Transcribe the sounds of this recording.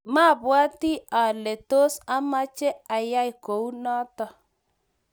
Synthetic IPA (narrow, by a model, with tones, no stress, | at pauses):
ma˦˨βwa˦ti˦a˨lɛ˨to˦sa˦ma˦t͡ʃɛ˦a˨ja˦i˨ko˨u˦nɔ˦tɔ˦